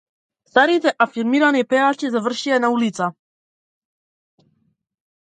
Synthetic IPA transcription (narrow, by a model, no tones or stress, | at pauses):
st̪aɾit̪ɛʔafʲiɾmʲiɾanɛjpɛat͡ɕɛzavɾɕijɛnaulʲit̪sa